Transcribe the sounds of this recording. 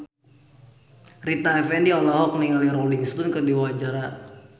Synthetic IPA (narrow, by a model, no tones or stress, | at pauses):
rit̪aɛfɛndiɔlɔɦɔk̚niŋaliɾoliŋst̪unkərdiwad͡ʒaɾa